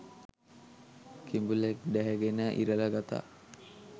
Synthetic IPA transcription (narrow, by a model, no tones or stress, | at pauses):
kimbulekd̪æɦɛɡenəʔḭɾələɡat̪a̰ː